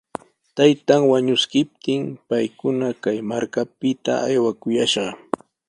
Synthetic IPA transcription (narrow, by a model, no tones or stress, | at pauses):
t̪ajt̪aŋwaɲʊskɪp̚t̪ɪmpajkʊnakajmaɾkapɪt̪a̰ajwakʊjaʃɢɑ